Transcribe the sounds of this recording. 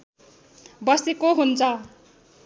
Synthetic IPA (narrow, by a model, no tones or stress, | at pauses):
bʌsekoɦunt͡sʰʌ